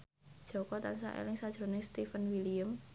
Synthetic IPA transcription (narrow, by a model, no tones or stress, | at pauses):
d̥ʒ̥ɔ̤kɔt̪ansa̰ʔḛlɪŋsad̥ʒ̥ɾo̤nest̪ifənwilijəm